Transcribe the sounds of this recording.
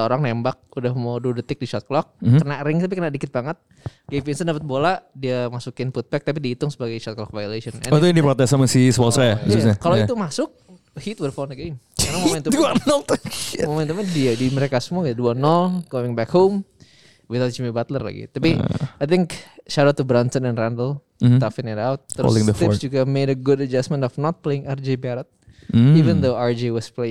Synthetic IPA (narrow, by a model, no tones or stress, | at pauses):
oɾaŋnembak̚udahmodudət̪ɪk̚diʃɔt̪̚klɔk̚ːənaɾɪŋt̪ap̬ikənadikɪt̪̚baŋət̪̚ | ɡejfinsəndapət̪̚boladiamasukɪnfut̪̚bɛk̚t̪apidiːt̪ʊŋsəbaɡajʃɔt̪̚klɔk̚vajolesənɛ̰nudipɾot̪ɛsaməsisəwɔlsajabəsuɲakaloit̪umasʊk̚ | hit̪̚wərfɔnɡem | anamomɛ̃nt̪uduanɔlt̪momɛ̃nt̪umɛndiadiməɾekasəmuakit̪duanɔlɡ̥oɪ̃ŋbɛkhom | wɪθawt̪̚d͡ʒimibat̪lərla̰ɡḭt̪apiajt̪ɪŋkʃaɾot̪ubɾantənɛ̃nrandəl̩ | t̪afɪ̃nɛnawt̪ːəɾ̰slŋd̪əftɪpsd͡ʒuɡamedəɡʊdəd͡ʒasmə̃ntɔfnɔt̪̚pleɪŋard͡ʒebaɾət̪̩̚ | ivə̃nd̪oaɹd͡ʒewɔsple